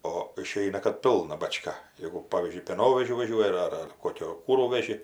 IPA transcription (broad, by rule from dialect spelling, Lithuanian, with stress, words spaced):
oː ɪˈʃʲɛɪnɐ kɐt ˈpʲɪlˠnɐ bɐˈt͡ʃkɐ ˈjeːɡʊ ˈpɑːʋʲiːzʲd͡ʒʲʊɪ pʲeːˈnoːʋʲɛʒʲʊ ʋɐˈʒʲuɔjɪ ɐr ɐr ˈkoːkʲoː ˈkuːruː ʋʲɛˈʒʲɪ